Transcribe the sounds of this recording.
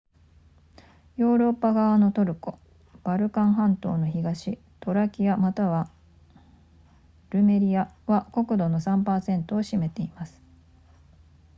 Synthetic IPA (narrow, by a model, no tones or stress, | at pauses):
jo̞ːɾo̞pːaɡaβano̞t̪o̞ɾɯ̟ko̞ | b̥aɾɯ̟kãɰ̃ɦãnt̪o̞̰ːno̞çiɡaɕi | t̪o̞ɾakʲiamat̪aβa | ɾɯ̟me̞ɾʲiaβako̞kɯ̟d̪o̞no̞sãmpaːsẽ̞nt̪o̞ːɕime̞t̪e̞imasɨ̥